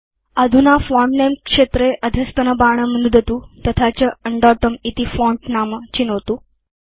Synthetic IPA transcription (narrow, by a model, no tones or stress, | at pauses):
əd̪ʱunafɔmnemkʂet̪ɾeʔəd̪ʱjəst̪ənəbaɳ̃əmənud̪ʱət̪ut̪ət̪ʰat͡ɕəəɳɖɔʈəmit̪ifɔɳʈnamt͡ɕinoʋt̪uː